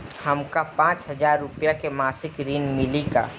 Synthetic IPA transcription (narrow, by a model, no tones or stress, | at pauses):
hɐmkapãːt͡ʃɦəzaːɾːʊpjakemaːsɪkɾiːnmɪlika̰ː